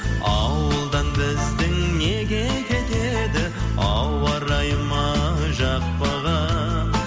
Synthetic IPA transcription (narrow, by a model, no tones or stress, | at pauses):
ɑwəlˠd̪ɑnbɪzd̪ɪŋneɡʲe̞kʲʰe̞t̪e̞d̪ɪɑwɑɾɑjmɑʒɑq̚pəʁə